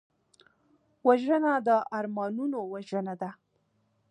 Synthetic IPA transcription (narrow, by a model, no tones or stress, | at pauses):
waʒənad̪əʔɑɾmɑnunowaʒənad̪a